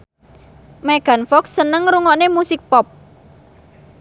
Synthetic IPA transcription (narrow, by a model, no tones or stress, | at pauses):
meɡ̥a̤nfɔksənəŋɾuŋɔnemusɪk̚pɔp̚